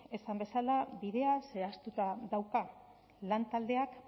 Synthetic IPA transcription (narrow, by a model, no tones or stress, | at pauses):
e̞sambe̞salaβiðe̞ase̞ast̪ut̪aðawka | lant̪ald̪e̞ak